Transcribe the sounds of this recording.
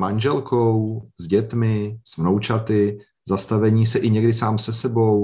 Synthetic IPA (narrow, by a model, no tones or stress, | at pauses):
manʒɛlkowzɟɛt̪mɪsmnowt͡ʃat̪ɪ | zast̪avɛɲiːsɛʔɪɲɛɡdɪsaːmsɛsɛbo̞w